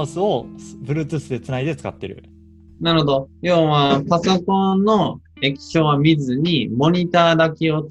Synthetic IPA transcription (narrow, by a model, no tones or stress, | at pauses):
sɨobɯ̟ɾɯt̪ɨsɨd̪e̞t͡sɨnaid̪e̞t͡sɨ̥kat̪ːe̞̰ɾɯ̟̰ | naɾɯ̟hod̪o̞jo̞ːβapaso̞kõ̞nnːo̞ | e̞kʲi̥ɕo̞ːβamʲizɨɲ̟imo̞ɲ̟it̪aːd̪akʲio̞